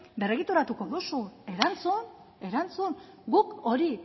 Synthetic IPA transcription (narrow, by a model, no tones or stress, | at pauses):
be̞reɣit̪uɾat̪uko̞ðusue̞ɾant͡sun | e̞ɾant͡sun | ɡuko̞ɾi